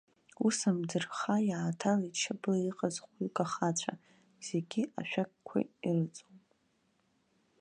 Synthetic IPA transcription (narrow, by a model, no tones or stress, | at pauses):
usamdɨrχajaatʰalit͡ʃʰablaiqʼazχʷkʼaχat͡ɕʷʰa̰ | z̥e̞ɡʲia̰ʃᶣak̚kʷʰa̰irɨt͡sʼop